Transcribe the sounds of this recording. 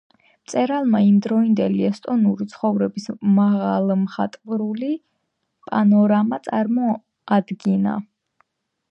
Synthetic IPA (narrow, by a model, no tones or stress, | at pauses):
mt̪sʼɛɾalˠmaimd̪ɾɔind̪ɛliɛst̪ʼɔnuɾit̪sʰχɔvɾɛbismaʁalˠmχat̪ʼvɾuli | pʼanɔɾamat̪sʼaɾmɔ | ad̪ɡina̰